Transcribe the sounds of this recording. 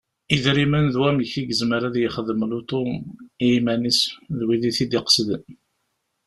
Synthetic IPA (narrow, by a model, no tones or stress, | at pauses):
iðɾimənðwæmçiɡəzməɾaðjəχəðəmlut̪ˤomimænisðwiðiθid̪ɪqsðən